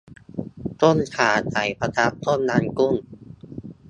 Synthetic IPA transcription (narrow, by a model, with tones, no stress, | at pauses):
t̪o˥˩nkʰaː˨˩˦t͡ɕa˨˩˦jpʰa˧t̪ʰa˦˥p̚t̪o˥˩˨nːaː˧nku˥˩n